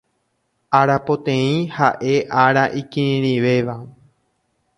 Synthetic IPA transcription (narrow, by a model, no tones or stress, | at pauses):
aɾapot̪ẽ̞ĩhaʔe̞ʔaɾaʔikĩɾĩɾ̃iʋe̞ʋa